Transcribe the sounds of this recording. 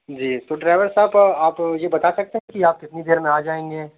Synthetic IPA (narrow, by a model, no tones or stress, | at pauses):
d͡ʒiːt̪oːɖɾaːɪʋəɾsaːbaːpjebɐt̪asɐk̚t̪eɦɛ̃kiaːp̚kɪt̪nid̪eːɾmẽaːd͡ʒaːẽːŋɡeː